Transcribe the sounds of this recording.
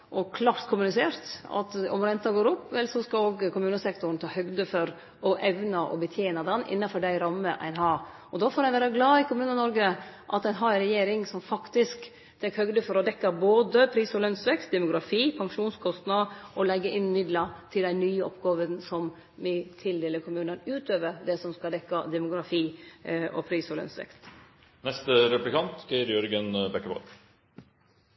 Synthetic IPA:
ʔɔkʰlɑːɾt̪kʰʊmʉnɪseːɾt̪ɑ̰t̪ɔ̰mɾɛnt̪ɑɡoːɾʊpːʋɛlsɔskɑloːɡkʊmʉːnəsɛkt̪ʊɾn̩t̪ʰɑːhœɡd̪əfɔɾ | ɔʔɛʋnɑʔɔ̰bət̪ʰjeːnɑd̪ɛnʔɪ̰nːɑfɔɖæɪɾɑmːəʔæ̰ɪnɦɑɾ | ɔd̪oːfoːɾæɪʋæːɾɑɡlɑːɪkʊmʉːnənɔɾɡəʔɑ̰t̪æɪnɦɑːɾɾɛjeːɾɪŋsɔmfɑkt̪ɪsk | t̪ʰɛkːhœɡd̪əfɔɾɔd̪ɛkːɑboːd̪əpʰɾiːsɔlœnsʋɛkst̪̚d̪ɛmʊɡɾɑfiːpʰɑŋʂuːnskʰɔst̪nɑʔɔlɛɡːəʔɪnmɪd̪lɑt̪ʰɪld̪æɪnyːəɔ̰pɡɑːʋənsɔm | ʋɪt̪ʰɪld̪eːləɾkʰʊmʉːnənʉːt̪øːʋəɾd̪ɛsɔmskɑld̪ɛkːɑd̪ɛmʊɡɾɑfiːʔɔ̰pʰɾiːsɔlœ̰nsʋɛ̰kst̪ | nɛst̪ɾɛplɪkʰɑnt̪sɡɛəɾjɔɾɡənbɛkːəbɔ̰ɾ

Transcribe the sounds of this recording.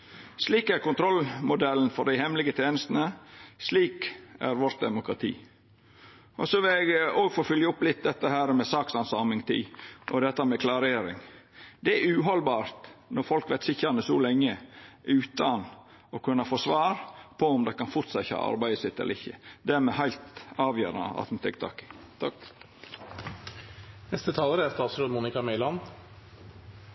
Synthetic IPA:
sliːkæɾkʊnt̪ʰɾɔlmʊd̪ɛln̩fɔɖd̪æɪhɛmlɪɡət̪ʰeːnəst̪n̩əsliːkæɾʋɔɾʈ̪̚d̪ɛmʊkɾɑt̪ʰḭː | ʔɔsɔʋɪlɛɡoːɡfoːfʏljəʊplɪt̪̚d̪ɛt̪ːəhæːɾmɛsɑːksɑnsɑːmɪŋt̪ʰḭːʔɔd̪ɛt̪ːɑmɛkʰlɑːɾeːɾɪ̰ŋ | d̪ɛæɾʉːɦɔlbɑːɾt̪nɔɾfɔlkʋæɪt̪sɪçːəɾɑnəsɔlɛŋːəʉːt̪ɑn | ɔkʰʉnːəfoːsʋɑːɾpʰɔʊmd̪æɪkɑnfʊʈ̪sɑt̪çhɑ̰ːʔɑ̰ɾbæɪd̪əsɪt̪ːɛ̰lə̰ɾɪçːəd̪æːɾmɛhæɪlt̪ɑːʋjø̰ːɾɑ̰nə̰ɑ̰t̪m̩t̪ɛkt̪ʰɑ̰ːkɪ̥ | t̪ʰ | nɛst̪ət̪ʰɑːləɾæst̪ɑːt̪sɾøːd̪muːnɪkɑmɛɪlɑn

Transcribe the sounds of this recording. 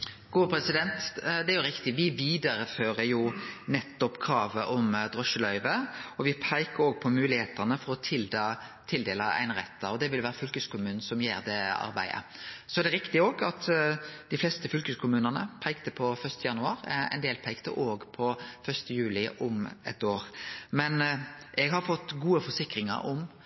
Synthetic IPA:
ɡ̥uːəpɾɛsɪd̪ɛnt̪d̪ɛæɾjʊɾɪkt̪ɪʋɪʋiːd̪ɑɾəføːɾəjʊnɛt̪ːɔpkʰɾɑːʋəʔɔmd̪ʁɔʃəlœʏʋəɔʋɪpʰæɪkəɾoːɡ̚pʰɔmʉːlɪheːt̪ənəfɔɾɔt̪ʰɪld̪ɑːt̪ʰɪld̪eːləɾæ̰ɪnəʁɛ̰t̪ʰːəɔd̪ɛʋɪlʋæːɾəfʉlkʉskʊmʉːnn̩sɔmjeːɾd̪ɛɑ̰ɾbæ̰ɪə̰sɔæd̪ɛɾɪkt̪ɪoːɡɑt̪d̪̥ɪflɛst̪əfʉlkʉskʰʊmʉːnənə̰pʰæɪkt̪əpʰɔfœst̪əjɑnʉɑːɾæ̰ɪneːlpʰæɪkt̪ə̰ʔoːɡpʰɔfœst̪əjʉːlɪʔɔmɛ̰t̪oːɾmɛnʔɛɡhɑɾfɔt̪ːɡuːəfɔsɪkɾɪŋə̰ɾɔ̰m

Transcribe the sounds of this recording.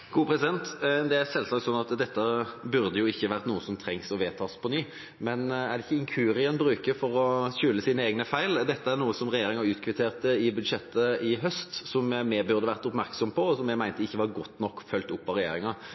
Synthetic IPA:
ɡ̥uːpʰɾɛsɪd̪ɛnt̪d̪ɛæɾsɛlsɑːk̚t̪sɔnːɑt̪d̪ɛt̪ːəbʉʁd̪əjʊɪçːəʋæʁt̪nuːəsɔmt̪ʰɾɛŋsɔʋeːt̪ʰɑːspʰɔnyː | mɛnæʁɖ̪ɛɪçːəɪŋkʰʉːɾɪɛnbɾʉːkəfɔɾɔɕʉːləsiːnəeːɡnəfæɪld̪ɛt̪ːəæɾnuːəsɔmʁɛjeːɾɪŋɑʉːt̪kʰʋɪt̪ʰeːʁt̪əɪbʉd̪ʂɛt̪ːəɪɦœst̪sɔmmɛbʉʁd̪əʋæʁt̪ʊpmæʁksɔmpʰɔɔsɔmjɛɡmæɪnt̪əɪçːəʋɑɾɡɔt̪ːnɔkːfœlt̪ʊpːɑɾɛjḛːɾɪŋɑ

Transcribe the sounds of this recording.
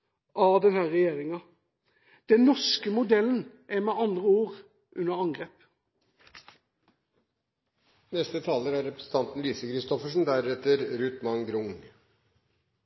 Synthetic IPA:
ʔɑd̪ɛnhæːʁɛjeːʁɪŋɑ | d̪̥ɛnnɔʂkəmʊd̪ɛlːən̩ʔɛmɛːʔɑnd̪ʁəuːʁ | ʔʉnːəʁɑŋɡʁeːp | nɛst̪ət̪ʰɑːləɾæɾɛpɾə̥sn̩t̪ɑnt̪n̩liːsəkʰɾɪst̪ɔfəʂɳ̩d̪æɾɛt̪əɾɾʉt̪mɑŋɡɾʊŋ

